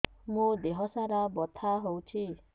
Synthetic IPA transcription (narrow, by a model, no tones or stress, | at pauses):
mũd̪eɦɔsaɾabɔt̪ʰaɦowt͡ʃʰi